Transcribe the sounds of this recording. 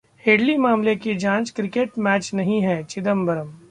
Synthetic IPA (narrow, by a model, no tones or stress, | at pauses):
heːɖlimaːmlekid͡ʒãːt͡ʃkɾɪkeːʈmɛːt͡ʃnɐɦĩɦɛːt͡ʃɪd̪əmbɐɾəm